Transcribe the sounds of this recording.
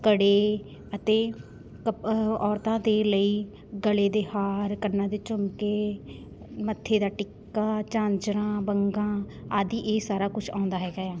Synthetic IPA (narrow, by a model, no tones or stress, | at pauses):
kəɽeː | ət̪eː | kəɔːɾt̪ãːd̪eːləiː | ɡəleːd̪eːhaːɾkənːãːd̪eːt͡ʃʊmkeː | mət̪ʰːeːd̪aːʈɪkː | aːt͡ʃãːɲd͡ʒɾãːbəŋɡãː | aːd̪iːʔeːsaːɾaːkʊt͡ʃʰãːnd̪aːɦɛːɡaːjaː